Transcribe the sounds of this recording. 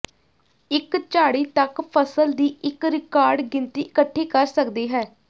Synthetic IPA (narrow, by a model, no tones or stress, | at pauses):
ɪkt͡ʃaːɽiːt̪əkpʰəsəld̪iːʔɪkɾɪkaːɾɖɡɪnt̪iːɪkəʈʰːeːkəɾsəkd̪eːɦɛː